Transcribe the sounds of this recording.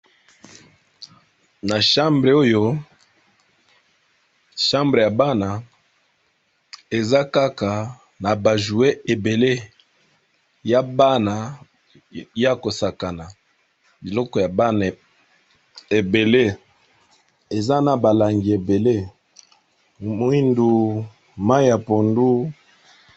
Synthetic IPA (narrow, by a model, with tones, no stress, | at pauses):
na˨ʃa˦mbʁe˨o˦jo˦ | ʃa˦mbʁe˨ja˨ba˦na˨ | e˨za˦ka˦ka˨ | na˨ba˨ʒu˨e˦e˨be˨le˦ | ja˦ba˦na˨˦ | a˦ko˨sa˨ka˨na˨ | bi˨lɔ˦kɔ˨ja˨ba˦ | e˨be˨le˦ | e˨za˦na˨ba˨la˨ŋɡi˨e˨be˨le˦ | mwi˦ndu˦ | ma˦i˦ja˨po˨ndu˦